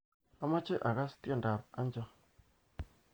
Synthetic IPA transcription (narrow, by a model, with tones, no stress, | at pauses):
a˦ma˦t͡ʃɪ˦ʔa˨ka˦stja˦˨nda˨pa˦nd͡ʒɔ˦